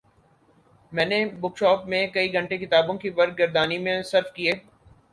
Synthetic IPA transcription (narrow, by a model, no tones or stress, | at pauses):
mɛ̃ːnebʊkʃɔːpmẽkɐiɡʱɐ̃ɳʈekɪt̪aːbõkiʋɐɾ̚ɡɐɾd̪aːnimẽsɐɾfkieː